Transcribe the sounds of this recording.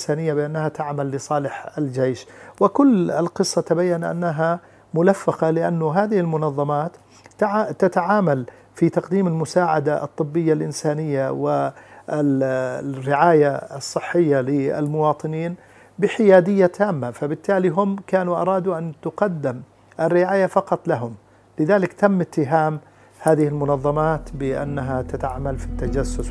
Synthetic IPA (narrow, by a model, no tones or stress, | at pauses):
saːnɪjːabɪʔanːahat̪aʕmalːɪsˤɑːlɪħɪld͡ʒejʃwɪkʊlːɪlqɨsˤːɑt̪abajːanʔa̰nːaɦa | mʊlafːɑqɑlɪʔa̰nːʊɦaːðɪhɪlmʊnɑðˤːɑmaːt̪ | ʕt̪at̪aʕaːmal | fit̪ɑqd̪iːmɪlmʊsaːʕad̪aʔɨ̰t̪ˤːɨbːɪjːalʔɪnsaːnɪjːawɪɪ | rːɪʕaːjaɨsˤːɨħːɪjːalɪɪ̰lmʊwɑːt̪ˤɨniːn | bɪħɪjaːd̪ɪjːat̪ʰaːmːafabɪt̪ːaːliɦʊmkaːnuʔɑ̰ɾˤɑːd̪uʔant̪ʊqɑd̪ːɪm | ʔɪrːɪʕaːjafɑqɑt̪ˤlaɦʊm | lɪðaːlɪkt̪amːɪt̪ːɪɦaːm | haːðɪhɪlmʊnɑðˤːɑmaːt̪bɪʔa̰nːaɦat̪at̪aʕamalfit̪ːad͡ʒasːʊs